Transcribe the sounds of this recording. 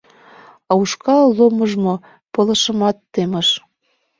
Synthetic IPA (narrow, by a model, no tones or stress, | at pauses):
ɑuʃkɑloməʒmo | pɤ̆lɤ̆ʃəmɑt̪ːeməʃ